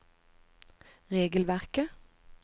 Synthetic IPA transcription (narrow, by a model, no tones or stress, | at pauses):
ʁeːɡəlʋæʁkə